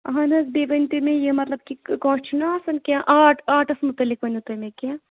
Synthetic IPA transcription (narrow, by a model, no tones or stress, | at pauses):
ɐɦɐnɐsbebɐnt̪imẽjemɐt̪lɐb̚kikõːt͡ʃʰunɐːsɐnkʲaʔaːʈʰaːʈɐsmut̪ɐlːik̚ʋɐnut̪ɐmẽkʲã